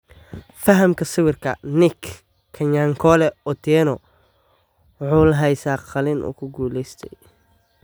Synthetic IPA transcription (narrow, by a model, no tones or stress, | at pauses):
fɐɦɐmkʰɐsɪwɪrkʰɐ̰nɪkʰː | ɐɲaŋkʰɔlɛɔt̪ʰɛːnɔ | ʕʊːlɦɛjsaqɐlɪnʔʊ̰kʰʊɡuːlɛjst̪ʰɛj